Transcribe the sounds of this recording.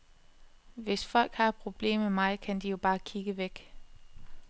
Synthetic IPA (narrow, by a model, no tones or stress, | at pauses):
ʋe̝sfɒ̽l̰ɡ̥hɑ̈ɪpʰʁo̝b̥le̝̰ːmemɑ̈ɪð̩ˠkʰænd̥ijo̝b̥ɑ̈ːkʰiɡ̥əʋeɡ̥